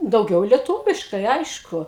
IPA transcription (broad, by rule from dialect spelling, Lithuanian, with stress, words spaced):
dɐʊˈɡʲɛʊ lʲiɛˈtuːʋʲɪʃkɐɪ ˈɐɪʃkʊ